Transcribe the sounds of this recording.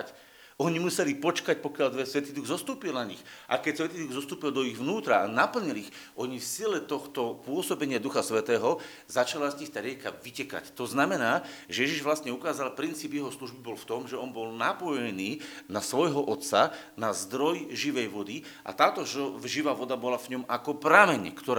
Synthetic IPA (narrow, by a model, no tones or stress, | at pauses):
c | ɔɲimusɛlipɔt͡ʃkac̚pɔkɪjaʎd̪ʋɛsʋɛt̪iːd̪uɣzɔst̪uːpilnaɲixʔa̰kɛcsʋɛt̪iːd̪uɣzɔst̪uːpild̪ɔiɣʋnuːt̪ɾaanapl̩ɲilix | ʔɔɲifsiɛlɛt̪ɔxt̪ɔpʊɔsɔbɛɲɪad̪uxasʋɛt̪ɛːɦɔ | zat͡ʃalazɲixt̪aɾɪɛkaʋicɛka̰ct̪ɔznamɛnaːʒɛjɛʒiʒʋlast̪ɲɛukaːzalpɾint͡siːbjɛɦɔsluʒbibɔlft̪ɔmʒɛɔnbɔlnapɔjɛniːnasʋɔjɦɔʔɔt̪sa | nazd̪ɾɔjʒiʋɛjʋɔd̪i | ʔa̰t̪aːt̪ɔʒɔʒiʋaːʋɔd̪abɔlavɲɔmakɔpɾamɛɲɛ̰kt̪ɔɾ